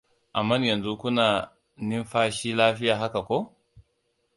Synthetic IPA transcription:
ʔa˨mːa˦njɐ˨nzu˦ku˦naː˨ | ni˦nɸaː˦ʃiː˦laː˦ɸi˦jaː˨ɦa˦ka˨kʷo˦

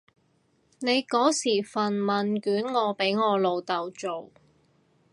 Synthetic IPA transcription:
ne˨˧jkɔː˨˥siː˨˩fɐ˨nmɐ˨nkyː˨˥nŋɔː˨˧pe˨˥jŋɔː˨˧lo˨˧wt̪ɐ˨wt͡ʃo˨w

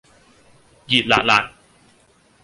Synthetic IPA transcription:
zḭ˨˩t̪̚la̰ː˧˨la̰ː˧˨j

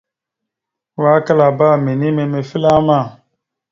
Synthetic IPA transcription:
wa˦ka˦la˨ba˦˨me˨ni˦me˨me˨fi˦la˦ma˦˨

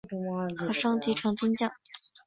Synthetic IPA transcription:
kʂɑ˥ŋt͡ɕi˧˥ʈ͡ʂʰɑ˧˥ŋt͡ɕʰi˥nt͡ɕjɑ˥˩

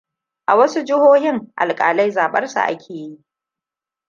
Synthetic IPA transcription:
ʔa˨wɐ˦su˦d͡ʒɪ˦hoː˦hɪ˦ŋʔa̰˨lkʼaː˨la˦jzaː˨ɓɐ˦rsa̰˨ʔa̰˦kʲʰeː˨ji˦ʔ

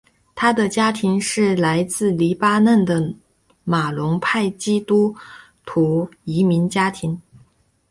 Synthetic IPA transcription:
t̪ʰa˥d̪ə˨t͡ɕja˥t̪ʰi˧˥ŋʂɻ̩˥˩la˧˥ɪt͡sɹ̩˥˩li˧˥pa˥nə˥˩nd̪ə˩ | ma˨˩lʊ˧˥ŋpʰa˥˩ɪt͡ɕi˥t̪u˥ | t̪ʰu˧˥i˧˥mi˧˥nt͡ɕja˥t̪ʰi˧˥ŋ

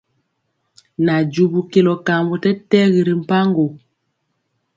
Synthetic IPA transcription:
na˨d͡ʒu˨bu˨ke˨lɔ˨ka˨mbu˨tɛ˦tɛ˦ɣi˨ɾi˨m̩˨pa˦ŋɡo˨

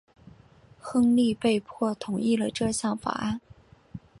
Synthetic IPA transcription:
xɤ˥ŋli˥˧pe˥˧ɪpʰwɔ˥˩t̪ʰʊ˨˩ŋi˥˩lə˩ʈ͡ʂɤ˥˧ɕjɑ˥˩ŋfa̰˨˩ʔa˥˩n

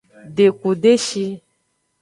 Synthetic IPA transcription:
ɖe˨ku˨ɖe˦ʃi˧

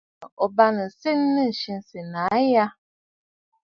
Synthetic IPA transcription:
ɔ˨ba˦nə˨se˦n˦nə˦˨ʃi˦n˨si˨na˨˦ja˦

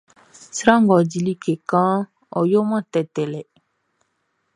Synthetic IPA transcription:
si˦ɾã˦ŋɡɔ˨di˨li˦ke˨kã˦ | ɔ˨jo˦mã˦tɛ˨tɛ˨lɛ˨

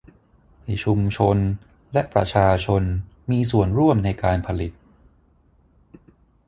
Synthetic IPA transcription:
a˧˩jt͡ɕʰu˧mt͡ɕʰo˧n | lɛ˦˥ʔpɾa˧t͡ɕʰaː˧t͡ɕʰo˧n | miː˧s̬u˨˩ənɾu˥˩əmna˧jkaː˧npʰa˧li˨˩t̪̚

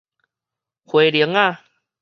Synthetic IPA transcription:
kʰwe˨˦li˨˦ə˦ŋa˥˧˨

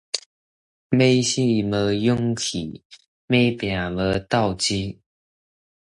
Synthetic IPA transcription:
me˥˦ɕi˥˨mə˧˦jʊ˦˥ŋkʰḭ˨˩ | me˥˦jpja˨˩lə˧˦t̪a˥˨ʊt͡ɕi˦

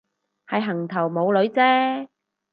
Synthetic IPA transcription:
hɐ˨jɦɐ˨˩ŋt̪ʰɐ˨˩wmo˨˧wlɵ˨˧˥ɥt͡sɛː˥

